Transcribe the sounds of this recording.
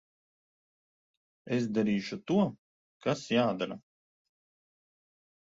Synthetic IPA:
esd̪aɾiːʃut̪uɔ | kasjaːd̪aɾa

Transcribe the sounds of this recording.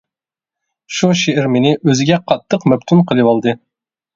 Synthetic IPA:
ʃuʃeɪɾmɪnɪʔøzɪɡʲɛqʰɑt̪ʰːəqmɛp̚t̪ʰunqʰəlˠɨwɑlˠd̪ɨ

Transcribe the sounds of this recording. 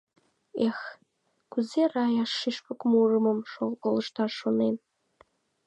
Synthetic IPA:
ex | kuzerɑjɑʃːiʃpəkmurə̆məmʃoolə̆ʃt̪ɑrʃonen

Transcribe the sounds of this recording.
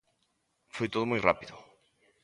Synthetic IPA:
fojt̪oðʊmojrapiðʊ

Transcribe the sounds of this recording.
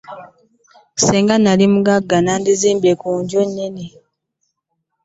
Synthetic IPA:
seːŋɡanalimuɡaɡːanandiziːmbekuːɲɟonːeni

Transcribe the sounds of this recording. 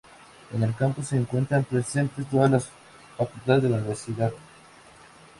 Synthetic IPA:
ene̞lkampose̞ːŋkwe̞nt̪ɾampɾese̞nt̪est̪o̞ðalas | fakult̪aðezðelauniβeɾsiðað

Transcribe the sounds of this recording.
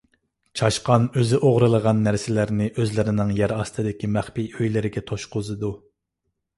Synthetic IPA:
t͡ʃʰɑʃqɑnøzɪʔoʁɾɨlˠəʁɑnːæɾsɪlæɾnɪʔøzlɪɾɪnɪŋjæɾɑst̪ʰɨd̪ɪkʲʰimæχpiøjlɪɾɪɡʲɛt̪ʰoʃqʊzɨd̪u

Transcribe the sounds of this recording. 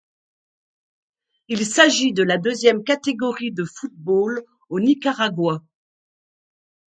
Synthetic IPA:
ilsaʒid̪əlad̪øzjɛmkat̪eɡɔʁid̪əfut̪̚bol | onikaʁaɡwa

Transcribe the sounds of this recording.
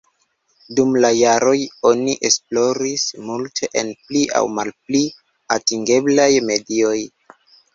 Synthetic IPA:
dumlajaɾo̞jo̞niʔe̞splo̞ɾismultʰe̞ʔenpliʔa̰wmalpli | atiŋɡe̞blajme̞dio̞j

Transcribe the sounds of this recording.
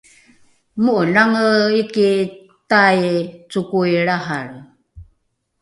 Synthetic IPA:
muʔənaŋəiki | tajt͡sukujɭaɦaɭ

